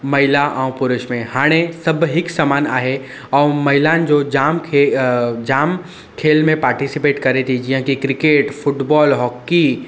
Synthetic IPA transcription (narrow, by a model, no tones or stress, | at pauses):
mɐɦɪlaʔaːũpʊɾɪʃmẽhaːɽ̃esɐbɦɪksaːmaːna̰ːɦe | ɔːmɐɦɪlãnd͡ʒoːd͡ʒaːmkʰed͡ʒaːm | kʰeːlmẽpaːɾʈisipeːʈkɐɾet̪ʰid͡ʒiɦãkikɾɪkeːʈfʰʊʈbɔːlɦɔːkːi